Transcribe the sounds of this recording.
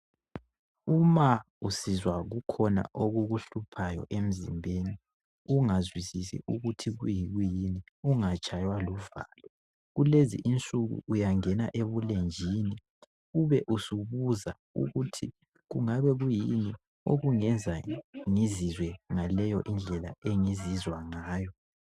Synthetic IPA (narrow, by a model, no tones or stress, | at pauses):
uma | usizwaɣukʰɔna̰ʔoɣuɣuɬupʰajɔ̰ʔem̩zimbʱeni | uŋazwisisḭʔuɣutʰiɣujiɣujiniuŋat͡ʃʼajwaluva̰ːlɔ | ɣulezḭʔint͡sʼuɣṵːjaŋɛna̰ʔeβulend͡ʒʱini | uβɛʔusuβuza | ṵɣutʰi | ɣuŋaβɛɣujini | oɣuŋɛnd͡zʱaŋizizwɛŋalɛjɔʔind͡ɮʱɛla̰eŋizizwaŋaːjɔ